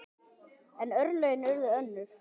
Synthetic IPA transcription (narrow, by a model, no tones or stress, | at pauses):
ɛnœɾlœɥjnɛɾðʏœnːʏɾ̥